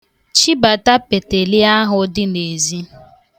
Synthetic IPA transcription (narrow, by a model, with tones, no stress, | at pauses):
t͡ʃi˦ba˨ta˦pe˨te˨li˦a˦ɦʊ˦dɪ˦ne˨zi˦